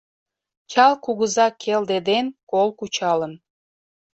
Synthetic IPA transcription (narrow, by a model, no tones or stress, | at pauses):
t͡ɕɑlkuɣəzɑkʰeld̪ed̪enkolkut͡ɕɑlən